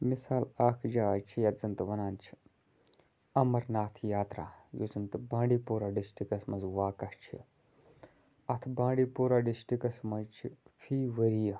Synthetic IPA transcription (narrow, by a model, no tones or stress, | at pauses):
misaːlaːkʰd͡ʒaːt͡ʃʰijɐzɐnt̪ʋɐnaːnt͡ʃʰi̥ | ɐmɐɾnaːt̪ʰjaːt̪ɾa̰ːjo̰zɐnt̪bãːɳɖiːpuːɾaːɖisʈikɐsmɐnzʋaːkɐʂt͡ʃʰḭ | ɐt̪ʰbãːɖiːpuːɾaːɖisʈikɐsmɐnt͡ʃʰifʰiːʋɐɾijɐ